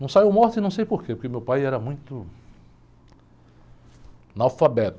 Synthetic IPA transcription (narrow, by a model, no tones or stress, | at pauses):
nɐ̃w̃saiwmɔɾt̪ɪnɐ̃w̃sejpoɾkepoɾkeʊmewpajɛɾɐmũj̃t̪ʊ | nawfabɛt̪